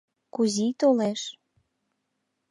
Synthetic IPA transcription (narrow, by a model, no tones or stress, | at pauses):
kuzit̪oleʃ